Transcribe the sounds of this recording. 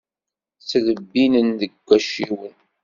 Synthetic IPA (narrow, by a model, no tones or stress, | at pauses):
t͡sːləbːinənðəɡʷːæʃiwən